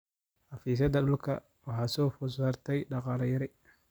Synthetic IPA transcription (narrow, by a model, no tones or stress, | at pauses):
ħɑfiːs̬ɐd̪ɐɗʊlkʰɐ̰ | wɑħɑːsɔːfʊs̬aːrt̪ʰɛjɖɑqɑːlɐjɐɾɪ